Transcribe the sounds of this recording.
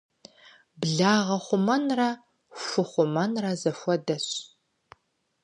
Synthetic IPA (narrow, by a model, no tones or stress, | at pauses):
bɮaːʁɐχʷʊmɐnrɐ | fʷʊχʷʊmɐnrɐzɐfʷɔdɐɕ